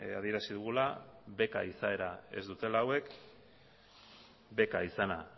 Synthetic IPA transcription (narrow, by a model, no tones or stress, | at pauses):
a̰ð̞ie̞ɾasiðuɣ̞ulaβe̞ka̰isae̞ɾae̞̰zd̪ut̪e̞laːwe̞k | be̞kaisana